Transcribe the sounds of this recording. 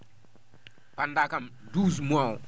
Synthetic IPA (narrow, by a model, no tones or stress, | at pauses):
pandakam | duzmwaw